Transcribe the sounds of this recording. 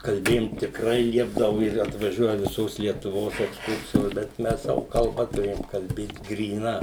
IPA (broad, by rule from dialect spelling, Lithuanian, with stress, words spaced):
kɐlʲˈbʲeːjʊm tʲɪkˈrɐɪ ˈlʲiɛbdɐʋʊ ɪr ɐtʋɐˈʒʲuɔjɛ ʋʲɪˈsoːs lʲiɛtʊˈʋoːs ɛksˈkʊrʲsʲɪjoːs bʲɛt ˈmʲɛs ˈsɑːʋoː kɐlˠˈbɐ tʊˈrʲeːjoːm kɐlʲˈbʲeːt ɡrʲiːˈnɐ